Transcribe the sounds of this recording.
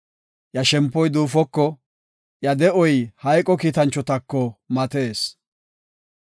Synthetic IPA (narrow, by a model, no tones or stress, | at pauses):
jɐʃɛmpːɔjd̪uːfɔkːɔ | jɐd̪ɛʔɔjhɐjkʼɔkiːt̪ɐnt͡ʃːɔt̪ɐkːɔmɐt̪eːs